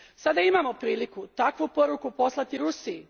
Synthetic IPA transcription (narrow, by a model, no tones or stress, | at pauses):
sad̪aimamo̞pɾiːlikut̪akʋupo̞ɾukupo̞slˠat̪iɾusii